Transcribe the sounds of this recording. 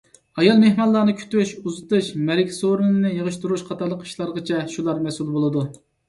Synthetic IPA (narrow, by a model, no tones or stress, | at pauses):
ɑjɑlˠmehmɑlˠːɑnɨkʲʰy̥t̪yʃuzɨt̪ɨʃmɛɾɪkʲsoɾɨnɨnɨjəʁəʃt̪uɾuʃqʰɑt̪ʰɑɾlˠəqi̥ʃlˠɑɾʁət͡ʃʰɛʃulˠɑɾmɛsulˠbolˠɨd̪u